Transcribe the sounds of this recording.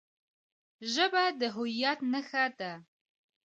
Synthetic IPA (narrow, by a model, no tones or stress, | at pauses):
ʒɐbaːdɐɦʷʊjaːtnɐxaːtʼaː